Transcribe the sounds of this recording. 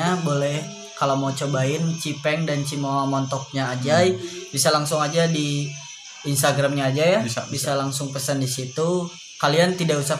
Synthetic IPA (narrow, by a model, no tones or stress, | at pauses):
abolɛh | kalawmawt͡ʃobaɪnt͡ʃipɛŋdant͡ʃimawamɔnt̪ɔk̚ɲaːd͡ʒajbisalaŋsʊŋad͡ʒadi | inst̪aɡɾamɲaːd͡ʒajabisalaŋsʊŋpəsəndisit̪u | kaliant̪idausa